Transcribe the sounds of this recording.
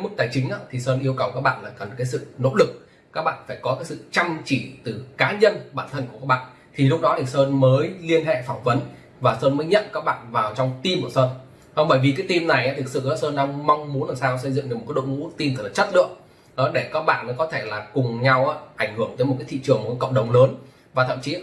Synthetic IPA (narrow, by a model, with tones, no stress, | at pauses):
mɨ˦˥k̚t̪aː˧˩jt͡ɕï˨˦ŋ̟ʔaː˧˦t̪ʰi˨˩səː˧nʔi˧əwkə˨˩wkaː˦˥k̚ɓa̰ː˧˨nlaː˨˩kə˨˩nkaː˨˦jsɨ̰˧˨no̰˧˥lɨ˨˩k̚ | kaː˦˥k̚ɓa̰ː˧˨nfaː˧˩jkɔ˨˦kaː˨˦jsɨ̰˧˨t͡ɕa˧ŋt͡ɕi˧˩t̪ɨ˨˩kaː˨˦ɲə˧nɓaː˧˩nt̪ʰə˧nku˧˩kaː˦˥k̚ɓa̰ː˧˨n | t̪ʰi˨˩lʊ˦˥k͡p̚ɗɔ˨˦t̪ʰi˨˩səː˧nməː˨˦jli˧ənɦɛ̰˧˨fɔ˧˩ŋ͡mvə˨˦n | vaː˨˩səː˧nməː˨˦jɲə̰˧˨nkaː˦˥k̚ɓa̰ː˧˨nvaː˨˩wt͡ɕɔ˧wŋ͡mt̪i˧mku˧˩səː˧n | ʔɔ˧ɓəː˧˩jvi˨˩kaː˨˦jt̪i˧mna˨˩jʔaː˨˦t̪ʰɨ˨˩k̚sɨ̰˧˨ʔa˨˦səː˧nɗaː˧ŋma˧wŋ͡mmu˨˦nlaː˨˩saː˧wsə˧jzɨ̰˧˨ŋnɨ˨˩mo˨˩kːa˨˦jɗo̰˧˨wŋṵ˧˥t̪i˧mt̪ə˨˩t̚laː˨˩t͡ɕə˦˥t̚lɨ̰˧˨əŋ̚ | ʔɔ˨˦ɗe˧˩kaː˦˥k̚ɓa̰ː˧˨nːɔ˨˦kɔ˨˦t̪ʰe˧˩laː˨˩kʊ˨˩ŋ͡mɲa˧wʔaː˨˦ʔa˧˩jŋ̟hɨ˧˩əŋt̪əː˨˦jmo˨˩t̚aː˨˦t̪ʰḭ˧˨t͡ɕɨ˨˩əŋm̚˨˩kːa˨˦kə̰˧˨wŋ͡m̚ɗə˨˩wŋ͡mləː˨˦n | vaː˨˩t̪ʰə̰˧˨mt͡ɕi˨˦